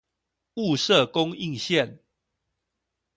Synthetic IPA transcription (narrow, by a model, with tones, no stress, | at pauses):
u˥˨sə˥˨kʊ˦ŋi˥˨ŋɕjɛ˥˨n